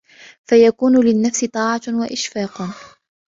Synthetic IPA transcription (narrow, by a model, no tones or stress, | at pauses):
fajakuːnʊlɪnːafsɪt̪ˤɑːʕɑwaʔɪʃfɑːq